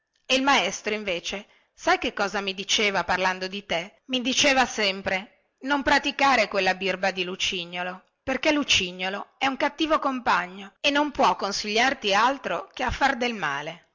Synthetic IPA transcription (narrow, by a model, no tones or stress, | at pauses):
eilmaest̪ɾoiɱveːt͡ʃe | sajkekːɔːzamid̪it͡ʃeːvaparland̪od̪it̪e | mid̪it͡ʃeːvasɛmpɾe | nompɾat̪ikaːɾekwelːabirbad̪ilut͡ʃiɲːolo | perkelut͡ʃiɲːoloɛuŋkat̪ːiːvokompaɲːoenːompwɔkːonsiʎːart̪ialt̪ɾokeafːard̪elma̰ːle